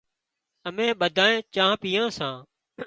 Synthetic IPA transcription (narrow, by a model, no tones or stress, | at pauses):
əmẽːɓəd̪ʱaːẽːt͡ʃãːɦpiːjãːsãː